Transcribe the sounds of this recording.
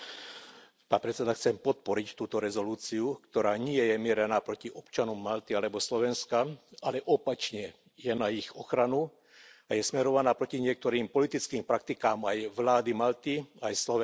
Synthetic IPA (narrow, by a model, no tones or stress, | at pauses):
paːnpɾɛt͡sɛd̪axt͡sɛmpɔt̪̚pɔɾict̪uːt̪ɔɾɛzɔluːt͡siukt̪ɔɾaːɲɪɛjɛmɪɛɾɛnaːpɾɔciʔɔpt͡ʃanɔmːalt̪ialɛbɔslɔʋɛnskaalɛʔɔpat͡ʃɲɛ | jɛnaixɔxɾanu | ajɛsmɛɾɔʋanaːpɾɔciɲɪɛk̚t̪ɔɾiːmpɔlit̪it͡skiːmpɾak̚t̪ikaːmajʋlaːd̪imalt̪iajslɔʋɛ